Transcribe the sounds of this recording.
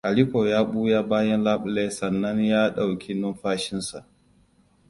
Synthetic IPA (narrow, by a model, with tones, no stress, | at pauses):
ʔa˨li˦koː˨jaː˦ɓuː˦jaː˦baː˦jɐ˦nlaː˦ɓʊ˨le˦sɐ˨nːɐ˦ɲjaː˦ɗa˨wkʰʲi˦nʊ˦nɸaː˦ʃɪ˦nsa˨ʔ